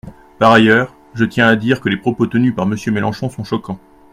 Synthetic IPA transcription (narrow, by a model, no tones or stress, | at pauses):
paʁajœːʁ | ʒət̪jɛ̃ad̪iʁkəlepχɔpot̪ənypaʁməsjømelɑ̃ʃɔ̃sɔ̃ʃɔkɑ̃